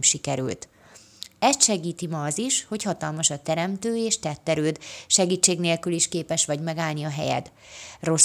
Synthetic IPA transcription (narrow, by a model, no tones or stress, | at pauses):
mʃikɛɾy̰lt̪ | ɛst̪ʃɛɡiːt̪imɒːziʃho̞chɒt̪ɒlmɒʃɒt̪ɛɾɛmt̪øːeːʃt̪ɛt̪ːɛɾøːd̪ʃɛɡiːt͡ʃːeːɡneːlkyliʃkeːpɛʃʋɒɟmɛɡaːlniɒɦɛ̰jɛ̰d̪ | ro̞s